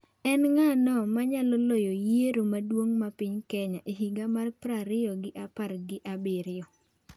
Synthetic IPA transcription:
ɛnŋanɔmaɲalɔlɔjɔjeɾomadwoŋmapɪɲkɛɲaʔeɦiɡamarpɾaɾɪjɔɡɪʔaparɡɪʔabeɾɪjɔ

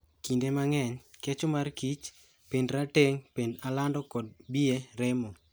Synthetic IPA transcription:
kindemaŋɛɲket͡ʃɔmarkit͡ʃ | pendɾateŋpendalandɔkɔd̚bieɾɪmɔ

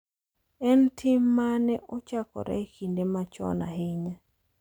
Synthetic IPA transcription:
ɛntʰɪmːanɛʔɔt͡ʃakɔ̰ɾɛ̰kindemat͡ʃɔ̰na̰ɦɪɲa

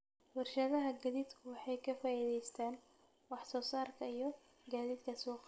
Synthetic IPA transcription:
wɑrʃɐðɐɦɐɡɐðiːd̪kʰʊwɑħɑjkʰɐfaːiðɛjst̪ʰaːn | wɑħsɔːsaːrkʰɐijɞ | ɡaːðiːd̪kʰɐsɔːq

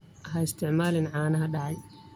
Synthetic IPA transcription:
ʔɐɦɐɪst̪ʰɪʕmaːlɪnʕɑːnɐɦɐɖɑʕɑj

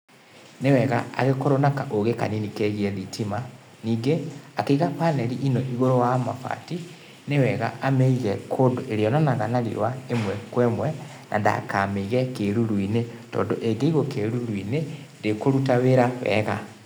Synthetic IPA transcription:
newɛɣa̰a̰ɣekoɾonakaʔoɣeka̰ninikɛɣiɛðitʰima | niːɡeakeiɣapanɛɾiʔinɔʔiɣoɾowamafa̰ti | newɛɣa̰ʔamɛiɣɛkʰoːndoʔeɾeɔnanaɣanaɾḭwaemwɛkwɛmwɛ | nʔa̰nda̰kameiɣɛkeɾuɾwinetɔ̰ːndoʔeɡeiɣokeɾuɾwine | ndekoɾutaweɾawɛ̰ɣa

